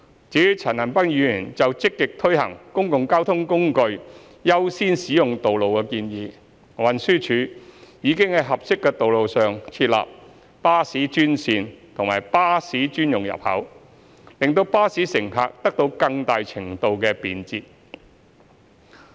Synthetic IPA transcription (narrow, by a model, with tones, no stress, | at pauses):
t͡siː˨˥t͡sʰɐ˨˩nɐ˨˩npɐ˥ŋjyː˨˧yː˨˩nt͡sɐ˨wt͡sɪ˥kːɪ˨k̚t̪ʰɵ˥ɥhɐ̰˨˩ŋkʊ˥ŋkʊ˨ŋkaː˥wt̪ʰʊ˥ŋkʊ˥ŋkɵ˧ɥ | jɐ˥wsiː˥nsiː˨˥jʊ˨ŋt̪o˨wlo˨wkɛ˧kiː˧njiː˨ | wɐ˨nsyː˥t͡ʃʰyː˨˥jiː˨˧kɪ˥ŋhɐ˨jɦɐ˨p̚sɪ˥kːɛː˧t̪o˨wlo˨wsœː˨ŋt͡sʰiː˧t̚la̰ː˨p̚ | paː˥siː˨˥t͡ʃyː˥nsiː˧nt̪ʰʊ˨˩ŋmaː˨˩jpaː˥siː˨˥t͡ʃyː˥njʊ˨ŋjɐ̰˨p̚hɐ̰˨˥w | lɪ˨ŋt̪o˧wpaː˥siː˨˥sɪ˨˩ŋha̰ː˨˧k̚t̪ɐ˥k̚t̪o˧wkɐ˧ŋt̪aː˨jt͡sʰɪ˨˩ŋt̪o˧wkɛː˧piː˨nt͡siː˧t̚